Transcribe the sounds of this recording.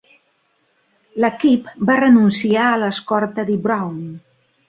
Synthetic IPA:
ləkipbarənunsiaələskɔɾt̪əðibɾawn

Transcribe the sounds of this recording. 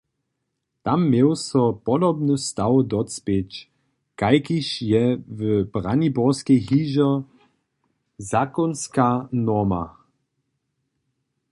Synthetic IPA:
t̪amːjewsɔpɔdɔbnust̪awd̪ɔspet͡ʃ | kajkiʃjɛvəbʁanibɔʁskɛjɦiʒɔ | zakɔnskanɔma̰

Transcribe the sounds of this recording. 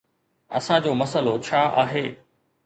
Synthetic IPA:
ɐ̰sãd͡ʑoːmɐsəlot͡ɕʰaːʔaːɦeː

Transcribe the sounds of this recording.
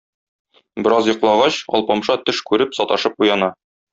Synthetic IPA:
bɘ̆ɾɑzjŏqlˠɑʁɑɕɒ̰lˠpɑmʃɑt̪ɘʃkʉɾɘpsɒt̪ɑʃɤp̚qujɑnɑ

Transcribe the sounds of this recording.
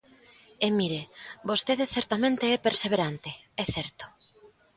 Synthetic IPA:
emiɾebost̪eðeθɛɾt̪amẽnt̪eɛpeɾseβ̞eɾant̪e | ɛθɛɾt̪o̥

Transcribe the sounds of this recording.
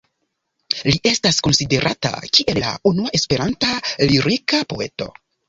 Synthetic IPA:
liʔe̞stasko̞nside̞ɾʔata̰kiʔe̞lːa̰unuaʔe̞spe̞ɾantaliɾikapo̞̰e̞to̞̰

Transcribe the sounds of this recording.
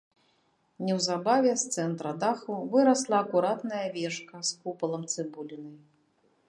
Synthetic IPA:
nʲɛwzabavʲɛst̪sɛnt̪ɾɐd̪axuvɨɾɐslˠɐːkuɾat̪nɐjɐvʲɛʂkɐskupɐlˠɐmt̪sɨbulʲinɨ

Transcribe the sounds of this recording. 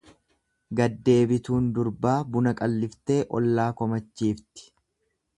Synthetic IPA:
ɡɐd̪ːe̞ːbɪt̪uːnd̪ʊɾbaːbʊnɐkʼɐlːɪft̪e̞ːʔɔlːaːkɔmɐt͡ʃːiːft̪ɪ̥

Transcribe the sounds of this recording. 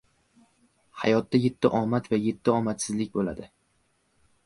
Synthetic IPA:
ha̰jɒt̪ːaje̞t̪ʰːɪʔɒmat̪vaje̞t̪ʰːɪɒmat̪sɪzlɪk̚ʲbola̰d̪ɪ

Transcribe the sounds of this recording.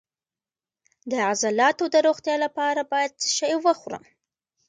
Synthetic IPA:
d̪əazalɑt̪od̪əɾoɣt̪jɑlapɑɾabɑjad̪̚səʃɑjwəxɾə̰m

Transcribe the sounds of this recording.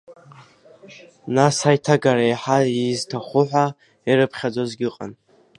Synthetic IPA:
nasajtʰaɡaɾajħaiztʰaχʷʊħʷa | iɾɨpʰχʲad͡zozɡʲɪqʼa̰n

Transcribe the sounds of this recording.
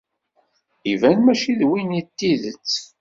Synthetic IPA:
ivænmæʃiðwinit̪ːiðət͡sː

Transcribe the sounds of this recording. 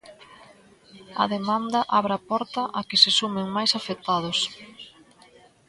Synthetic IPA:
ɐ̰ðemand̪ɐʔaβɾapɔɾt̪ɐʔɐkɪsɪsumɪŋmajsafet̪aðʊs

